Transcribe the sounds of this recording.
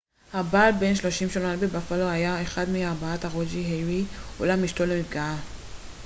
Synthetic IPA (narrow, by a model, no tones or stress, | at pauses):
habaːlbenʃlo̞ʃimʃolabebafalohajaeχad̪miaʁbaat̪haʁod͡ʒiɦeʁiṵlamjiʃtolemifɡaa